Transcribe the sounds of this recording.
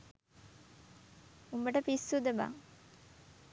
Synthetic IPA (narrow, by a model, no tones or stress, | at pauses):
umbəʈəpisːud̪eba̰ː